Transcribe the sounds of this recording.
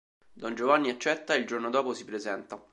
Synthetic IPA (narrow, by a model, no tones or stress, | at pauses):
d̪ɔnd͡ʒovanːiat͡ʃːɛt̪ːaild͡ʒornod̪ɔːposipɾezɛnt̪a